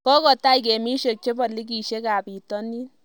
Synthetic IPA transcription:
kɔ˦kɔ˨ta˦i˨ke˨mi˦ʃe˨k̚t͡ʃe˦pɔ˨li˦k̬i˨ʃe˦ka˨pi˨tɔ˦ni˦n

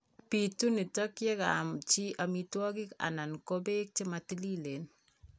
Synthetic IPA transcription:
pitu˦ni˨tɔ˦kjɛ˦kamt͡ʃi˦ʔa˨mitwɔ˦kɪ˦ka̰˨na˨nkobe˦k̚t͡ʃɪ˦ma˨ti˦li˦le˨n

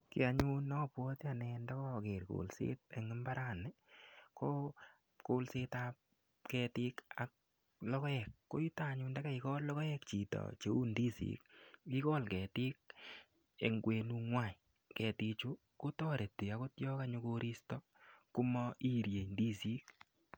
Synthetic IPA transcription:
kɪ˨a˨ɲu˦nɔ˦pwɔ˦ta˨nɛ˧nda˦kɔ˦˨ke˨ɾko̰˨lsḛ˦t̚e˨ŋɪ˦mba˦ɾa˦˨nɛ˨ko˦ | ko˦lse˦tap̚ | kɛ˧ti˦ka˨k̚ | lɔ˦kɔ˦ɛ˨kːo̰˦ji˦ta˦˨ɲu˧nda˦ka˦ikɔ˦lːɔ˦kɔ˦jɛ˦k̚t͡ʃi˨tɔ̰˨t͡ʃe˨u˦ndi˦sḭ˨k̚i˦kɔ˦lkɛ˨ti˦k̚ | ḛ˨ŋɡwe˧nu˧ŋwa˦˨ | kɛ˨ti˧t͡ʃu˦ | ko˦tɔ˦ɾe˨tːi˨a˦ko˦tjɔ˦kaɲʊ˦ko˧ɾi˦stɔ˦ | ku˦mɔ˦ʔi˦ɾje˨ndi˦si˦k̚

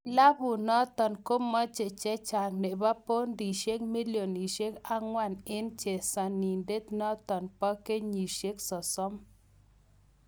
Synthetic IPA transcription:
la˦bu˨nɔ˦t̪ɔ˨nko˦mɔ˦t͡ʃe˨t͡ʃe˦t͡ʃa˨k̚ne˨ba˦po˦nd̪i˨ʃe˦k̚mi˦ljo˨ni˨ʃe˦ka˦ŋwa˦˨ne˦nt͡ʃe˨sa˧ni˨nde˦t̪nɔ˦t̪ɔ˨npɔ˦ke˦ɲi˨ʃe˦ksɔ˨so˦m

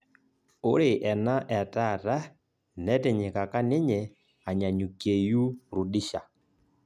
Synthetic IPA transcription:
o˦ɾe˨ʔɛ˨na˦ʔɛ˨ta˦˨ɾa˦ | nɛ˦tɛ˨ɲɛ˨ka˨ka˦ne˦ɲɛ˨ | a˨ɲa˨ɲu˨ke˨ju˦ɾu˨ɗi˦ʃa˨

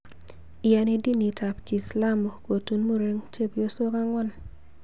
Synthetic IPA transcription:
ɪ˨a˨ni˦di˦ni˨ta˨pki˨sla˦mo˨ko˨tu˦nmo˦ɾe˦ŋt͡ʃe˦pjo˦so˦ka˦ŋwɔ˦n

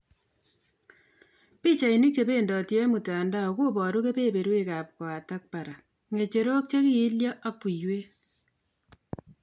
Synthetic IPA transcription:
piː˦t͡ʃa˨i˨ni˦k̚t͡ʃe˨pe˦ndɔ˨tjɛ˦mu˨ta˨nda˦o˨ko˦pɔ˨ɾu˦ke˦pe˦pe˨ɾwe˦ka˨p̚kwaː˨ta˦k̚pa˨ɾa˨ | ŋe˨t͡ʃe˨ɾo˦k̚t͡ʃe˦ki˦i˦ljɔ˦ʔa˦k̚pu˨jwe˦

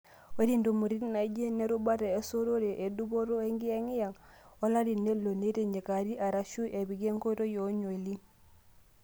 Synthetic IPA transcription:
we˦ɾi˦ndo˨mu˨ɾi˦tna˨˦d͡ʒe˦ne˦ɾu˦ba˦ɾe˨e˦so˦ɾo˦ɾe˨ʔe˨du˦bo˦ɾo˦e˦ŋɡi˦e˦ŋi˦ja˨ŋo˦la˦ɾi˨ne˦lo˨ne˦ɾe˨ɲe˨ka˨ɾi˦ʔa˨ɾa˨ʃu˦ʔe˨bi˨ɡe˦ŋko˦ɾo˦jo˨˦ɲo˨i˨li˦ŋ

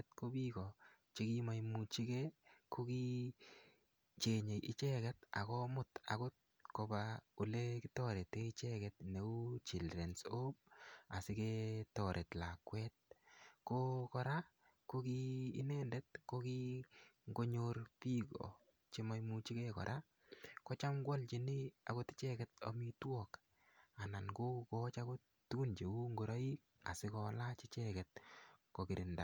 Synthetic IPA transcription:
t̚ko˦bi˦kɔ˨ | t͡ʃi˦ki˦ma˦jmu˨t͡ʃi˦ke˦ko˦ki˦ | t͡ʃe˨ɲe˨ʔi˦t͡ʃɛ˦kɛ˦ta̰˨kɔ˦mʊ˨ta̰˨kʊ˦t̚ | kɔ˧bau˨le˦ki˦tɔ˦ɾe˨tːe˦i˦t͡ʃɛ˦kɛtne˨u˦t͡ʃi˨lɾɛ˨nso˦b̚a˨sɪ˦ke˦tɔ˨ɾʔe˨tla˨kwɛt̚kokɔ˧ɾa˦ | ko˦kiː˦nɛ˦ndɛ˦t̚ko˦ki˦ŋɡo˦ɲo˦rpi˦kɔ̰˨ | t͡ʃe˦mɔ˦jmu˦t͡ʃi˦kɛ˦kɔ̰˨ɾʔa | kɔ˦t͡ʃa˦mɡwɔ˦lt͡ʃi˨ni˦a̰˨ko˦ti̥˦t͡ʃɛ˦kɛ˨t̚ɔ̰˨mi˦twɔ˨k | a˨na˨nɡo˦kukɔ˦t͡ʃa˦ko˦ | tu˦ɡu˦nt͡ʃe˨u˦ŋɡo˦ɾa˦i˦k | a̰˨si˦kɔ˧la˦t͡ʃi˦t͡ʃɛkɛt̚ko˨ki˨ɾʔɪ˨nda̰˨

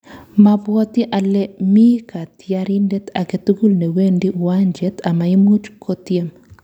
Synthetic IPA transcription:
mabwɔ˦t̪i˦ʔa˨lːɛmi˦ka˨t̪jaɾindɛ˦t̪a˨ke˨t̪u˦ɡu˦lne˨wendiwaɲd͡ʒɛt̪a˨ma˨i˦mu˦d͡ʒkʰot̪jem

